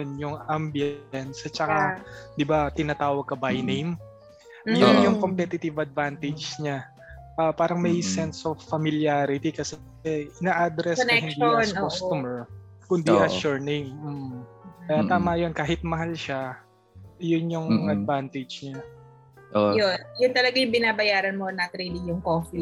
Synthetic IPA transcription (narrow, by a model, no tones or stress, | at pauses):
njʊŋambjɛnsɐt͡ʃɐkad̪ɪbat̪ɪnaːt̪aːwɐɡ̚kɐbajnejm | jʊnjʊŋkompɛt̪ɪt̪ɪvɐd̪̚vant̪ɪd͡ʒsɲa | ʔɐpaːɾɐŋmɐjsɛnsovːɐmɪljaːɾɪt̪ikɐs | ɛɪnaːʔad̪ɾɛsahɪnd̪ikost̪ʊmɛɹ | kʊnd̪iʔɐʃuɹnejmm̩ː | kɐjat̪aːmɐjonkaːɦɪt̪̚mɐɦalʃa | jʊnjʊŋɐd̪̚vant̪ɛd͡ʒɲa | ʔojonjʊnt̪ɐlɐɡajʊŋbɪnaːbɐjaːɾɐnmonɐɐkɾilɪŋjʊŋkofi